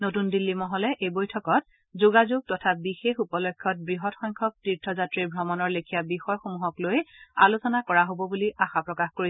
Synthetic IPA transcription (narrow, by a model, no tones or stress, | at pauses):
notundilːimɔɦɔlɛʔejbojtʰɔkɔt̚ | zuɡazuɡ̚tɔtʰabixexupɔlɔkʰːjɔt̚bɹiɦɔtxɔŋkʰɔk̚tiɹtʰːɔzatɹiɹbʱɹɔmɔnɔɹlekʰijabixɔjxomuɦɔklojalusɔnakɔɹaɦobɔbuliaxapɹɔkaxkoɹi